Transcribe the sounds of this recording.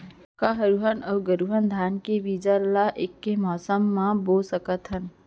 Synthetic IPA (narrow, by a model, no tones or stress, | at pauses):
kaɦəɾuɦənəwɡəɾuɦənd̪ʱankebid͡ʒəɾlaʔekːemɔsəmːãbosəkət̪ɦən